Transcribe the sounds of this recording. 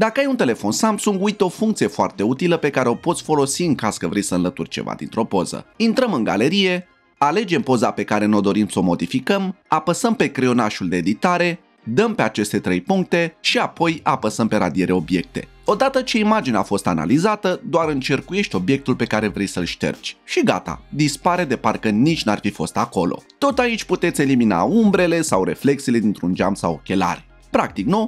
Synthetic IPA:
d̪akəajunt̪e̞le̞fo̞nsamsuŋɡujt̪eo̞fuŋkt̪sije̞foart̪e̞ut̪iləpe̞kaɾe̞o̞pot̪sʲfo̞lo̞siɨŋkaskəvɾʔejsəɨnlət̪urʲt͡ʃe̞̰va̰d̪ḭnt̪ɾo̞po̞̰zə̰int̪ɾəmɨŋɡa̰le̞ɾije̞ | ale̞d͡ʒe̞mpo̞zape̞kaɾe̞no̞d̪o̞ɾimsəomo̞d̪ifikəmapəsəmpe̞kɾeo̞naʃuld̪eːd̪it̪aɾe̞ | d̪əmpe̞at͡ʃe̞st̪e̞t̪ɾe̞jpuŋk̚t̪e̞ʃiapo̞japəsəmpe̞ɾa̰d̪ie̞ɾeo̞bje̞k̚t̪e̞̰ | o̞d̪at̪ət͡ʃe̞imad͡ʒineafo̞st̪a̰na̰lizat̪əd̪oaɾɨnt͡ʃe̞rkuje̞ʃt̪ʲo̞bje̞k̚t̪ulpe̞kaɾe̞vɾe̞jsəlʃt̪e̞̰rt͡ʃʲʃiɡa̰t̪a̰d̪ispaɾe̞d̪e̞parkənit͡ʃʲnuarfifo̞̰st̪ako̞lʔo̞̰t̪o̞t̪ait͡ʃʲput̪et̪sʲe̞limina̰umbɾe̞le̞sawre̞̰fle̞k̚sile̞d̪int̪ɾund͡ʒamsawo̰kʲe̞la̰ɾe | pɾak̚t̪ikno

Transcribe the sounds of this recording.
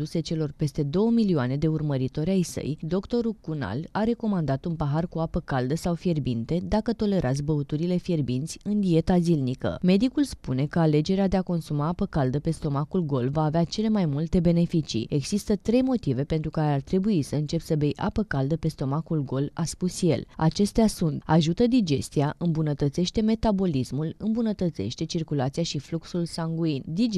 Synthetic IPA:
uset͡ʃe̞lo̞rpe̞st̪e̞d̪o̞wəmilioane̞d̪e̞urməɾit̪o̞ɾʲajsə̰jd̪o̞kt̪o̞ɾukuna̰laɾe̞ko̞mand̪at̪unpaɦarkuapəkald̪əsawfje̞rbint̪e̞d̪akət̪o̞le̞ɾʔat̪s̬ʲbəut̪uɾile̞fje̞rbint̪sʲɨnd̪ie̞t̪azilnikə̰me̞d̪ikulspune̞kəale̞d͡ʒe̞ɾead̪e̞ako̞nsumaːpəkald̪əpe̞st̪o̞makulɡo̞lvaːveat͡ʃe̞le̞majmult̪e̞be̞ne̞fit͡ʃḭe̞ɡz̥ist̪ət̪ɾe̞jmo̞t̪ive̞pe̞nt̪ɾukaɾeart̪ɾe̞buisəɨnt͡ʃe̞psəbe̞jʔa̰pəkald̪əpe̞st̪o̞makulɡo̞laspusje̞̰la̰t͡ʃe̞st̪easunt̪a̰ʒut̪əd̪id͡ʒe̞st̪iaʔɨmbunət̪ət̪se̞ʃt̪e̞me̞t̪abo̞lismulɨmbunət̪ət̪se̞̰ʃt̪e̞t͡ʃirkulat̪sijaʃifluksulsaŋɡuind̪i

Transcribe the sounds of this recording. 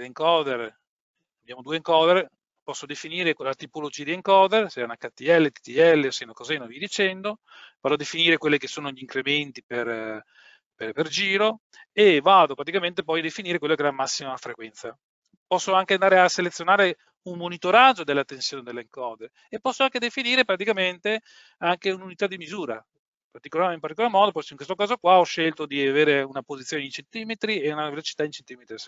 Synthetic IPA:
leŋkɔːd̪er | abjaːmod̪ueŋkɔːd̪eɾ | pɔsːod̪efiniːɾelat̪ipolod͡ʒiːad̪ieŋkɔːd̪ersɛunakat̪ːiɛlːet̪i̥t̪iɛlːeosinokɔzɛnovid̪it͡ʃɛnd̪o | vad̪oad̪efiniːɾekwelːekesːoːnoʎiːŋkɾement̪iper | perperd͡ʒiːɾo | evaːd̪opɾat̪ikament̪epɔjd̪efiniːɾekwelːokeɛamːasːimafɾekwɛnt̪sa | pɔsːoaŋkeand̪aɾeaselet̪sːjonaːɾe | umːonit̪oɾad͡ʒod̪elːat̪ːensjoːned̪elːeŋkɔːd̪e | epːɔsːoaŋked̪efiniːɾepɾat̪̬ikament̪e | aŋkeununit̪ad̪imizuːɾa | part̪ikolaːɾimpaɾt̪ikolaɾmɔːd̪opɔjsiŋkwest̪okaːzokwaɔʃːelt̪od̪iaveːɾeunapozit̪sːjoːneint͡ʃent̪iːmet̪ɾieunavelot͡ʃi̥t̪aint͡ʃent̪iːmet̪ɾis

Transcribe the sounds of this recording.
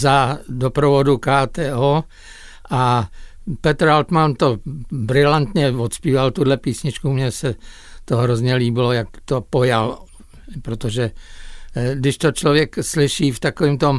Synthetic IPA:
zadopɾovodukaːt̪ɛːʔoː | ʔa | pɛt̪ɾalt̪mant̪o̞bɾɪlant̪ɲɛvot̪spiːvalt̪udlɛpiːsɲɪt͡ʃkumɲɛsɛ | t̪oɦɾozɲɛliːbɪlo̞jakt̪opojal | pɾot̪oʒɛ | dɪʃt̪ot͡ʃlovjɛkslɪʃiːft̪akoviːmt̪om

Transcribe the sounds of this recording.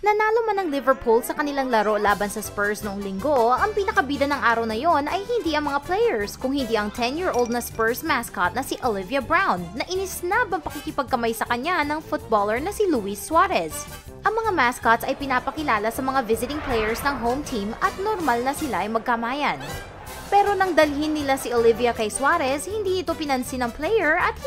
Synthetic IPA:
nɐnaːlomanɐŋlɪvɛɹpʰulsɐkɐnɪlaŋlɐɾo̞laːbɐnsɐspɛɹsnoʔoŋlɪŋɡo̞ɐŋpinɐkɐbiːd̪ɐnɐŋʔaːɾɐwnɐjo̞nʔɐjhɪnd̪iʔɐŋmɐŋaplɛjɛɹskʊŋhɪnd̪iɐŋt̪ʰɛnjiːɹʔowld̪nɐspɛɹsmaskat̪̚nɐsiʔolɪvjɐbɹawnːɐʔɪnɪsnabɐŋpɐkikɪpɐɡ̚kɐmajsɐkɐɲanɐŋfʊt̪̚boːlɛɹnɐsiluiswaɾɛs | ʔɐŋmɐŋamaskat̪sɐjpɪnaːpɐkɪlaːlɐsɐmɐŋavɪzɪt̪ɪŋplɛjɛɹsnɐŋɦowmt̪ʰimɐt̪̚noɾmalnɐsɪlaʔɐjmɐɡ̚kɐmaːjɐn | pɛːɾo̞nɐŋd̪ɐlɦɪnːɪlasiʔolɪvjɐkɐjswaːɾɛshɪnd̪iːnɪt̪o̞pɪnɐnsɪnɐŋplɛjɛɹɐt̪̚

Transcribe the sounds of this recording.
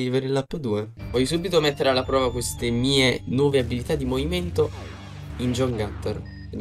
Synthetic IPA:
iveɾelːapːəd̪uːevɔjsuːbit̪omet̪ːeɾealːapɾɔːvakwest̪emiːenwɔːveabilit̪ad̪ːimoviment̪o | ind͡ʒɔŋɡat̪ːer

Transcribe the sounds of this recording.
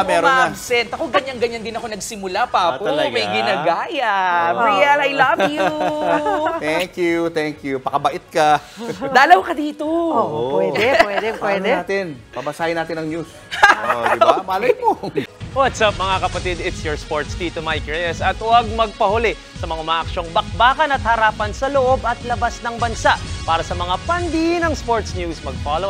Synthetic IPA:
mɛːɾoanɐbsɛnt̪ɐkoɡɐɲːaŋɡɐɲɐnd̪ɪnɐko̞nɐɡsɪmʊlapaːpoɐɡmɐjɡɪnaɡaːjɐiɐlajlɐvjuv | t̪ɛŋkjut̪ɛŋkjupɐkɐbɐʔɪt̪̚kɐd̪aːlɐwkɐd̪iːt̪ooʔpwɛdɛɛd̪ɛpwɛd̪ɛːt̪ɪn | ɐbɐsaːjɐnaːt̪ɪnɐŋɲus | babaːlɐjmowat̪sap̚mɐŋakɐpɐt̪ɪd̪ɪt̪sjɔɹspoɹt̪sd̪it̪omajkɹɛjɐsɐt̪wɐɡ̚mɐɡ̚pɐhʊlɪʔ | sɐmɐŋaʔʊmaːʔɐkʃo̞ŋbɐk̚baːkɐnɐt̪̚hɐɾaːpɐnsɐloʔo̞bɐt̪lɐbasnɐŋbɐnsaʔpaːɾɐsɐmɐŋapɐnd̪inɐŋspoɹt̪snjusmɐɡ̚falow

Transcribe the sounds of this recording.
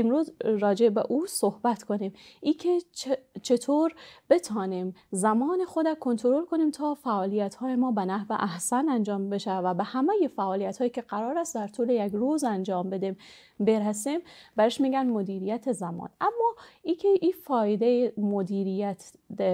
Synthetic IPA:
emɾuːzɾɒːd͡ʒebeʔuːsohbæt̪kʰo̞nimʔiːcʰet͡ʃʰe̞t̪ʰoːɾb̥e̞t̪ʰɒːnimzæmɒːnexod̪ækʰo̞nt̪ʰoɾolkʰo̞niːmt̪ʰɒːfæʔɒːlijæt̪hɒːjemɒːbenæhvḛʔæhsænænd͡ʒɒːmbeʃævæbehæmæjefæʔɒːlijæt̪hɒːjiːcʲʰe̞ɢæɾɒːɾæst̪d̪æɾt̪ʰuːlejækɾuːzænd͡ʒɒːmbe̞d̪im | beɾæsimbæɾeʃmiːɡænmod̪iːɾijæt̪ʰezæmɒ̰ːnʔæmːɒːiːcʲʰeʔiːfɒːjed̪ejemod̪iːɾijæt̪ʰ

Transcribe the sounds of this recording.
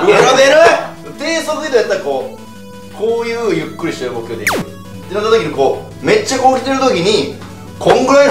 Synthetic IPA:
aad̪eɾɯ | ɯt̪eːsoskit̪ojat̪ːaɾako̞ː | kʰo̞ːjɯ̟ːjɯ̟kːɯ̟ɾʲiɕit̪eɾɯmokɯ̟joːd̪e | enat̪ːat̪okʲiɲ̟iko̞ː | me̞t͡ɕːakoːkʲi̥t̪eɾɯ̟t̪o̞kʲiɲ̟i | kʰõ̞ŋɡɯɾe

